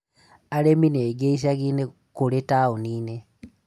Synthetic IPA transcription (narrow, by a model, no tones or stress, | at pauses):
alemineɡeis̬aɣine | koletaoniːne